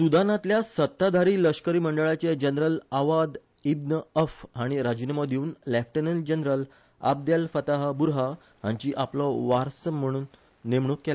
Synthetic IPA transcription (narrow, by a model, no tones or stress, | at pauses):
sud̪ʱanãt̪ljasət̪ːad̪ʱaɾiːləɕkəɾiːməɳɖəɭat͡ɕed͡ʑənɾəlaʋad̪ | ibnəəfɦaɽ̃iɾad͡ʑunamɔd̪ʱiuːnlefʈənəld͡ʑənɾəl | a̰b̚d̪jalfət̪aɦabuɾɦa | ɦãɲt͡ɕiːʔaplɔʋaɾsəm̤ːəɽ̃uːnː | emɳokːela